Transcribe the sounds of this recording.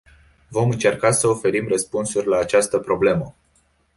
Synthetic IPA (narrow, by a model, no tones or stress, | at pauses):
vo̞mɨnt͡ʃe̞rkasəofe̞ɾimrəspunsurʲlaːt͡ʃast̪əpɾo̞ble̞mə